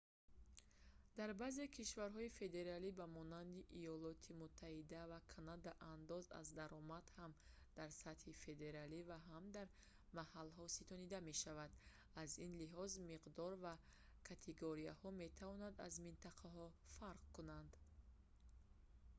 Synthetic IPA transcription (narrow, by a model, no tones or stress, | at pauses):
d̪aɾbaze̞kʰiʃvaɾɦɔife̞d̪e̞ɾalibamɔnand̪iʔijɔlɔt̪ʰimut̪ʰːahid̪avakʰanad̪aʔand̪ɔza̰zd̪aɾɔmad̪ham | d̪̥aɾsat̪hife̞d̪e̞ɾalivaɦamd̪aɾ | mahalɦɔsit̪ʰɔnid̪ame̞ʃavad̪ | azinliɦɔzmiqd̪ɔɾva | kʰat̪ʰeɡoɾiahɔme̞t̪ʰavɔnad̪a̰zmint̪ʰaqʰaɦɔfaɾq̚kunand̪